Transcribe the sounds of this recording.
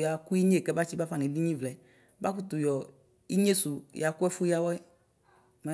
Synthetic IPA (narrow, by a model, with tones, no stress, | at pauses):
ja˨ku˦i˦ɲe˦˨kɛ˦ba˦t͡ʃi˦ba˦fa˦ni˨˦di˦ɲĩ˦vlɛ˨ | ba˦ku˦tu˨jɔ˨ | ḭ˦ɲe˦su˨ja˨kʊ˦ɛ˦fu˦ja˦wɔ˦ | mɛ˦